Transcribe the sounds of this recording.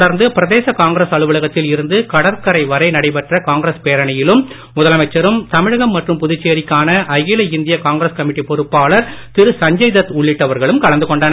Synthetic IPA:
ɽɐɾnd̪ɯpɪɾɐðeːsɐkaːŋɡɪɾɐsɐɭɯʋɯɭɐɣɐt̪ːɪlɪɾɯnd̪ɯkɐɽɐɾkɐɾɐɪʋɐɾɐɪnɐɽɐɪp̬ɛʈrɐkaːŋɡɾɐspeːɾɐɳɐjɪlɯm | mʊðɐlɐmɐɪt͡ʃːɐɾɯmt̪ɐmɪɻɐɣɐmːɐʈrɯmpʊðʊt͡ʃːejːɾɪkːaːnɐʔɐɣɪlɐɪnd̪ɪjɐkaːŋɡɾɐskɐmɪʈːipɔɾɯpːaːɭɐɾt̪ɪɾɯsɐɲd͡ʒɐɪðɐt̪ːʊɭːɪʈːɐʋɐɾɣɐɭɯmkɐɭɐnd̪ɯkɔɳɖaːn

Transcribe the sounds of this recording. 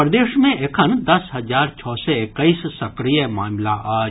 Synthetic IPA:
ɾd̪eːʃmẽʔekʰənd̪ɐsɦɐzaːɾt͡ʃʰɔːseɪkəissɐkɾijəmaːmlaʔaː

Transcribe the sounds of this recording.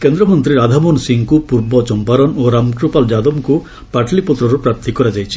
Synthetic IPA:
kend̪ɾɔmɔnt̪ɾiɾad̪ʱamɔnsiŋkupuɾbɔt͡ʃɔmpaɾɔnoɾamkɾupald͡ʒad̪ɔmku | paʈʰlipɔt̪ɾɔɾupɾapt̪ʰikɔɾad͡ʒajt͡ʃʰi̥

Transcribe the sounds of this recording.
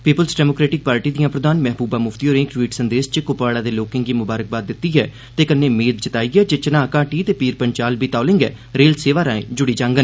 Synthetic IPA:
piːpəlsɖɛːmoːkɾeːʈɪk̚paːɾʈiːd̪ijãːpɾəd̪aːnmɛɦbuːbaːmʊft̪iːoːɾẽːkʈwiːʈsənd̪eːst͡ʃəkʊpaːɽaːd̪eːloːkɪ̃ŋɡiːmʊbaːɾək̚baːd̪ːɪt̪ːiːɦɛː | t̪eːkənːeːmeːd̪t͡ʃət̪aːiːɡɛːd͡ʒet͡ʃənãːkaːʈiːt̪eːpiːɾpəɲt͡ʃaːlbiːt̪aːlɪ̃ŋɡɛ̰ː | ɾeːlseːʋaːɾaːḛ̃ːd͡ʒʊɽiːd͡ʒãːŋɡən

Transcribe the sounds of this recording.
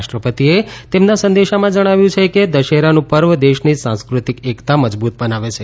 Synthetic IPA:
ʃʈɾəpət̪iet̪emnasə̃nd̪eʃamãd͡ʒəɽ̃aʋjũt͡ʃʰeked̪əʃeɾanũpəɾʋəd̪eʃnisãnskɾut̪ikekt̪aməd͡ʒbut̪̚bənaʋet͡ʃʰe

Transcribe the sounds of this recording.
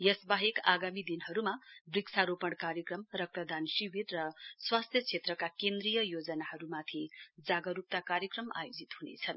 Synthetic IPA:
jʌsbaɦekaɡamid̪inɦʌɾumabriksaɾopʌɽ̃kaɾjʌkrʌmrʌk̚t̪ʌd̪ansiwirːʌswast̪ʰjʌt͡sʰet̪rʌkakend̪rijʌjod͡zʌnaɦʌɾumat̪ʰid͡zaɡʌɾup̚t̪akaɾjʌkrʌma̰jod͡zit̪hunḛt͡sʰʌn

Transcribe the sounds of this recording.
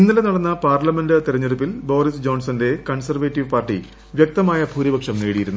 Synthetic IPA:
inːɐlenɐɽɐnːɐpaːrlɐmendɨt̪iɾɐɲːuɽupːilbo̞ːɾisd͡ʑo̞ːnsɐnde̞kɐɳsɐrʋeːtːiʋpaːrʈːḭ | ʋjek̚t̪ɐmaːjɐbʱuːɾibʱɐkʂɐmneːɽijiɾunːu

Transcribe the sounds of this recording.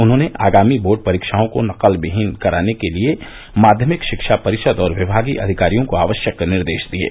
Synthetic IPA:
ʊnɦõːneʔa̰ːɡaːmiboːɖ̚pɐɾiːkʃaːõkonɐqəlbɪɦɪnkɐɾaːnekelie | maːd̪ʱjəmɪkʃɪkʃapɐɾɪʃəd̪ɔːɾʋɪbʱaːɡiʔɐ̰d̪ʱɪkaːɾijõkoaːʋəʃjəknɪɾd̪eːʃd̪iḛː

